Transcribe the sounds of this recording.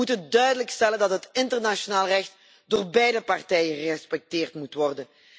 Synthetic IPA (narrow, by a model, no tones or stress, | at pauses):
utəndœɥdələkstɛləndɑtɦətɪntərnaʃonaːlˠrɛxt | doːrbɛjdəpɑrtɛjənχəɛspɛk̚tɪːrtmutʋɔrdən